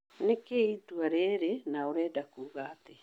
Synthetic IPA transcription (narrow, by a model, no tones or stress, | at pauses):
nekeituaɾeːɾenawɾedakuɡaːte